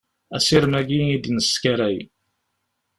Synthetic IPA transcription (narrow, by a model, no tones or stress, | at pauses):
æsiɾmæɡiid̪nəskæɾæj